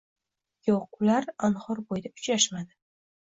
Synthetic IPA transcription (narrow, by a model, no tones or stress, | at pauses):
joqʊlaɾanhɒɾbojd̪aʊ̥t͡ʃɾaʃmad̪ɪ